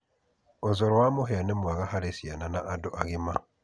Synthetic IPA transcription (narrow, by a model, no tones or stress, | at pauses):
ozoɾwamoɦeanemwaɣahaɾesjananaʔːdoʔaɣima